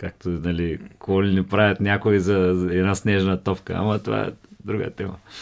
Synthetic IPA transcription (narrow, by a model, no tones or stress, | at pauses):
kak̚t̪onɐlikoɡɔlinipɾavʲɐt̪nʲakoizɐɛd̪nasnɛʒnɐt̪ɔpkə̰ɐ̰mɐt̪ova̰ɛ̰d̪ɾuɡə̰t̪ɛmɐ